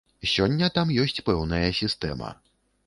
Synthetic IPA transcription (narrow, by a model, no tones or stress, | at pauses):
sʲɔnʲːɐt̪amjɔsʲt͡sʲpɛwn̪ɐjɐsʲist̪ɛ̰mɐ̰